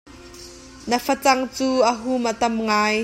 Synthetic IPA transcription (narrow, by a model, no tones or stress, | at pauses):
nəfɐt͡sɐŋt͡suːʔəɦumʔət̪ɐmŋaːj